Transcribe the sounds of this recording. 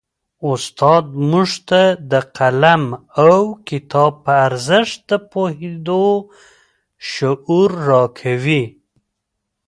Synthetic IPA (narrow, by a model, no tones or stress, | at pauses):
ʊst̪ɑd̪̚muʐt̪ad̪əqalamawkɪt̪ɑb̚pəaɾzəʃt̪̚d̪əpohed̪o | ʃʊʔuɾːɑkʰawi